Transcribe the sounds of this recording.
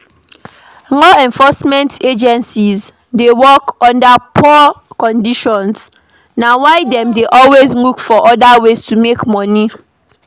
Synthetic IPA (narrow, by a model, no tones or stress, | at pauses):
lɔɛ̃ɱfɔsmɛ̃nted͡ʒɛ̃nsiz | dewɔkɔ̃ndapʰɔkɔ̃ndiʃɔ̃ns | nawaɪdɛ̃mdeʔɔlwezlukfɔʔɔdawestumekmɔ̃ni